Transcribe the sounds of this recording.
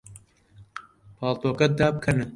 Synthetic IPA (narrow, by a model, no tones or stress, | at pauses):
pʰɑːlt̪oːkɐd̪aːb̚kʰɐnɨ